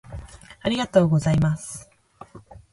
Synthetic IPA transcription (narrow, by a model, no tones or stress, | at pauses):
aɾʲiɡat̪o̞ːɡo̞zaimasɨ̥